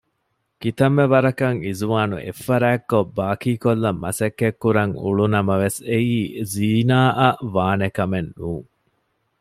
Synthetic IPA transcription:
kit̪ɐmːeʋɐɾɐkɐŋizuʋaːnṵʔḛfːɐɾæːkːobːaːkiːkolːɐmːɐ̰sɐkːekːuɾɐŋṵɭunɐmɐʋeseiːziːnaːʔɐʋaːnekɐmenːuːŋ

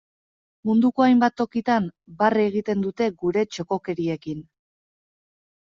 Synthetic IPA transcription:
mund̪uko̞ajmbat̪ːo̞kit̪ambareɣit̪e̞nd̪ut̪e̞ɡuɾe̞t͡ʃo̞ko̞ke̞ɾie̞kin

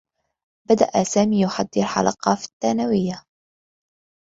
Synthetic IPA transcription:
bad̪a̰ʔasaːmiːjʊħad̪ːɪɾħa̰lɑqɑːfi̥t̪ːaːnawɪjːa

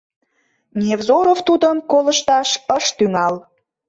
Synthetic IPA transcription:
nʲevzoɾoft̪ud̪əmkoləʃt̪ɑʃəʃt̪yŋɑl

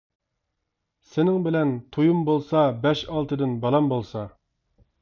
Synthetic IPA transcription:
sɪnɪŋbɪlɛnt̪ʰujumbolˠsɑbɛʃɑlˠt̪ɨd̪ɨnbɑlˠɑmbolˠsɑ

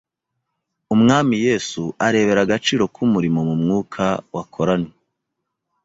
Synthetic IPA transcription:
umŋaːmije̞ːsuʔaɾe̞ːβe̞ɾaɡat͡ʃiːɾo̞kʰumuɾimo̞mumŋuːkʰawakʰo̞ɾane

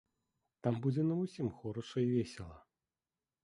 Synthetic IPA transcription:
t̪ambud͡zʲɛnɐusʲimxɔɾɔʂɐivʲesʲɛlˠɐ

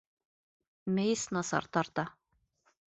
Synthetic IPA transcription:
mejsnɑsɑ̰ɾt̪ɑɾt̪ɑ

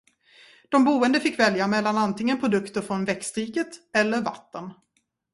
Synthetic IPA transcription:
d̪̥ɔmbuːənd̪əfɪkːvɛljamɛlːanant̪ɪŋːənpʰɾʊd̪ɵkt̪əɾfɾɔnvɛkst̪ɾiːkət̪ɛlːəɾva̰t̪ːən

